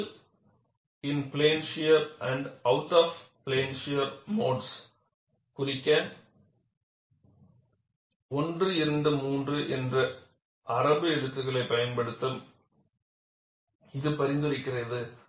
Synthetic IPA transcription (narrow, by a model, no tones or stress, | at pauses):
ɪnpleːnʃɪjɐɾɐɳɖɐʊʈːaːfpleːnʂɪjɐɾmoːɖs | kʊrɪkːɐ | ɔndrɯɪɾɐnd̪ɐmuːndrɯʔɛndrɐ | ʔɐɾɐbɯɛɽɯt̪ːɯɣɐɭɐɪpɐjɐnpɐɽɯt̪ːɯm | ɪðɯpɐɾɪnd̪ɯrɪkːɪrɐðɯ